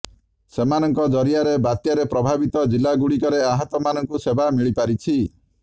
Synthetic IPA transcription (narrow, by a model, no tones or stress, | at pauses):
semanɔŋkɔd͡ʒɔɾiaɾebat̪jaɾepɾɔbʱabit̪ɔd͡ʒilːaɡuɽikɔɾeaɦɔt̪ɔmanɔŋkusebamiɭipaɾit͡ʃʰi